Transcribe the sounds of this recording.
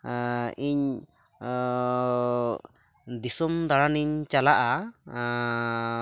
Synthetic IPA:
iɲ | d̪isumd̪aɽaniɲt͡ʃalaʔa

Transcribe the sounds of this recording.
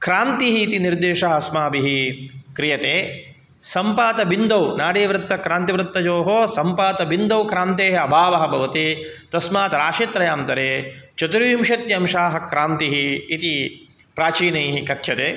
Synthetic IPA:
kɾaːnt̪iɦiːt̪iniɾd̪eːʃɐɦɐ̆ɐsmaːbiɦikɾijɐt̪eː | sɐmpaːt̪ɐbind̪ɐwnaːɽeːʋɾɪt̪ːɐkɾaːnt̪iʋɾɨt̪ːɐd͡ʒoːɦoːsɐmpaːt̪ɐbind̪ɐwkɾaːnt̪eːɦeɐbʱaːʋɐɦɐbʱɐʋɐt̪i | t̪ɐsmaːt̪ɐɾaːʃit̪ɾɐjaːmt̪ɐɾeːt͡ʃɐt̪uɾʋiːmʃɐt̪jɐmʃaːɦɐkɾaːnt̪iɦiːt̪i | pɾaːt͡ʃiːnɐjɦikɐt̪ʰjɐt̪eː

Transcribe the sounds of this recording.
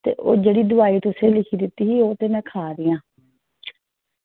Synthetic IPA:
t̪ḛːʔo̰ːd͡ʒeːɽiːd̪ʊʋaːiːt̪ʊsẽːlɪkʰiːd̪ɪt̪ːiːɦiːoːt̪eːnɛ̃ːkʰaːd̪ɪjãː

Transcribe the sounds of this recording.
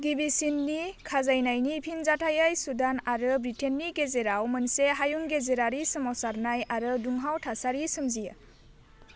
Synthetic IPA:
ɡibisinːikʰazajnajnipʰinzatʰajajsudanaɾɯbɾitʰenːiɡezeɾawmɯnseɦajuŋɡezeɾaɾisɯmɔwsaɾnajaɾɯduŋɦawtʰasaɾisɯmzija

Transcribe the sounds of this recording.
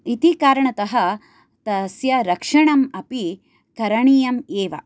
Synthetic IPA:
it̪ikaːɾɐɳɐt̪ɐɦɐ | t̪ɐsjɐɾɐkʂɐɳɐmɐpi | kɐɾɐɳiːjɐmeːʋɐ̰

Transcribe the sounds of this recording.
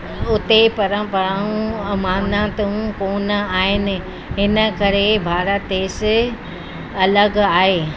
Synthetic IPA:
ʊt̪epɐɾə̃mpəɾaːũmaːnat̪ũkoːnəaːɦɪnɪ̆ | ɦɪnə̆kɐɾebʱaːɾət̪eːsɪ | ɐləɡaːɦeː

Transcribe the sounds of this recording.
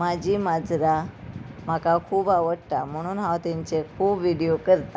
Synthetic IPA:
mad͡ʑʱiːmad͡zʱɾam̤akakʰuːbaʋəɽt̪am̤əɽ̃uːnɦawt̪iɲt͡sekʰuːbʋiɽijokəɾt̪a

